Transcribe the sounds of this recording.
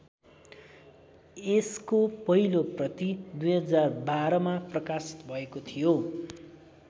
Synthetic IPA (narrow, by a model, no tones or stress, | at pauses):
eskopʌɦiloprʌt̪id̪ujɦʌd͡zarbaɾʌmaprʌkasi̥t̪bʱʌekot̪ʰijo